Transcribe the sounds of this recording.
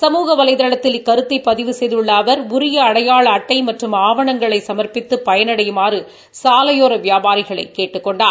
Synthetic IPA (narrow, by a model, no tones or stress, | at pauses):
sɐmuːɣɐʋɐlɐɪðɐɭɐt̪ːɪlɪkːɐɾɯt̪ːɐɪpːɐðɪʋɯsɛjðɯɭːaːʋɐɾʊɾɪjɐːɽɐjaːɭɐɐʈːɐɪmɐʈrɯmaːʋɐɳɐŋɡɐɭɐɪsɐmɐɾpɪt̪ːɯpːɐjɐnɐɽɐjɯmaːrɯ | saːlɐjoːɾɐʋɪjaːbaːɾɪɣɐɭɐɪkːeːʈːɯkːɔɳɖaː